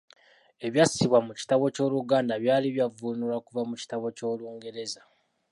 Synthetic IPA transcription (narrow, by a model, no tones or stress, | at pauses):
e̞βjasiβwamuci̥taβo̞co̞ːluɡaːndaβjaːliβjavunulakuvamuci̥taβo̞co̞ːluːŋɡe̞ɾe̞za